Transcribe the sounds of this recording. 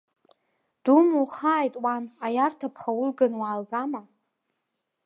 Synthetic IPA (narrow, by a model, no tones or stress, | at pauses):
d̥umuχaːjtʼwanajartʰapʰχawʊlɡanwaːlɡama